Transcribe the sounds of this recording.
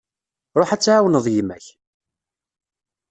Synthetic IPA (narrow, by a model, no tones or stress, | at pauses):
ɾˤoħæt͡sːʕawənəðˤjimæç